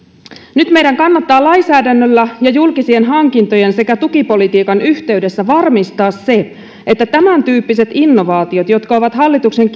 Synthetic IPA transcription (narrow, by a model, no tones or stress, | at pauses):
nyt̪me̞jdæŋkɑnːɑt̪ːɑːlɑisæːdænːølːæjɑjulkisienɦɑŋkint̪o̞je̞nse̞kæt̪ukipo̞lit̪iːkɑnyçt̪e̞yde̞sːæʋɑrmist̪ɑːsse̞ | ʔet̪ːæt̪æmænt̪yːpːise̞t̪inːo̞ʋɑːt̪io̞t̪jo̞t̪kɑo̞ʋɑt̪hɑlːit̪ukse̞ŋk